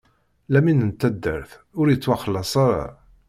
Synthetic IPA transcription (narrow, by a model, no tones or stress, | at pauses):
læminənt̪ːæd̪ːə̰ɾθʊɾjət͡sːwɑχəlːɑsˤɑɾˤɑ̰